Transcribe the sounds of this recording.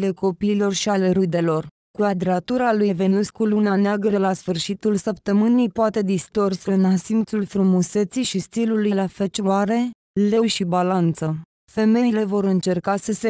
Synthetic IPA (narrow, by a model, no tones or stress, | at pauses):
le̞ko̞piːlo̞rʃiale̞ɾud̪e̞lo̞r | kuad̪ɾeat̪uɾalujve̞nuskuluneaneaɡəɾelasfɨrʃit̪ulsəp̚t̪əmɨnijpoat̪e̞d̪ist̪o̞rsəɨnasimt̪sulfɾumuse̞t̪sijʃist̪ilulujlafet͡ʃaɾe̞ | le̞ʃibalant̪sə | fe̞me̞jile̞vo̞ɾɨnt͡ʃe̞rkasəse